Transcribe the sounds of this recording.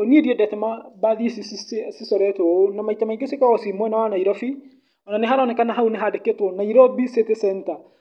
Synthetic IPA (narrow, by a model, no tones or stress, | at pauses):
oniediɛdɛtɛmabaðisissisɔɾɛtɔonamaitamaiɡesekaɔsimwɛnawanaiɾɔfi | ɔnaneɦaɾanɛkanaɦauneɦadeketwɔnaiɾɔbisetesɛnta